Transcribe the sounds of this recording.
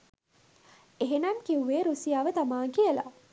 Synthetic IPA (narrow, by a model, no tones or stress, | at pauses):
eɦenamkiuʋeːɾusijaːʋət̪amaːŋkijəla̰